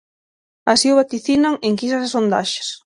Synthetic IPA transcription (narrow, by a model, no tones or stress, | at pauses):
asiʊβat̪iθinaŋeŋkisasesond̪a̰ʃɪ̥s